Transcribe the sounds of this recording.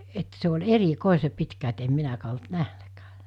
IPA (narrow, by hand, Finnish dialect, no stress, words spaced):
et se olʲ erikoˑese pitkæ et em minækæː olt næhnækæː